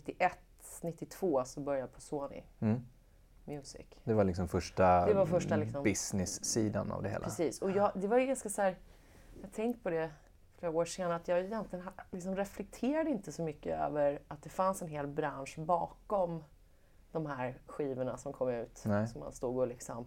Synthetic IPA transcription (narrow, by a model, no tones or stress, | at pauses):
nɪt̪ːɪʔɛt̪ | nɪt̪ːɪt̪ʰv̥oːsɔbœɾjaəpʰɔsoːnɪ̰ | mjʉ̟ːsɪ̰kd̪ɛvalɪksɔmfœʂʈad̪ɛvaɾfœʂʈalɪksɔmbɪsnɪsːiːd̪a̰na̰vd̪ɛhḛːlɾɛsiːsɔjɑːd̪ɛvajɡanskasæːɾ | jɑhɡt̪ʰɛŋkt̪̚pʰɔd̪ɛ | fleːɾaoːɾʂeːnat̪jɑːɡɛjɛnt̪lɪɡənlɪksɔmɾɛflɛk̚t̪ʰeːɾad̪əɪnt̪əsɔmʏkːəø̰ːvəɾat̪̚d̪ɛfansɛnɦeːlbɾanʂbɑːkɔm | d̪̥ɔmɦæɾɧiːvəɳasɔmkʰɔmːʉ̟ːt̪sɔmːa̰nst̪uːɡolɪksɔm